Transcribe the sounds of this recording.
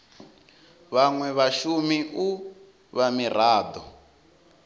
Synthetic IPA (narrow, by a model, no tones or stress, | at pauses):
βaŋwɛβaʃumiʔu | βamir̤aːd̪ɔ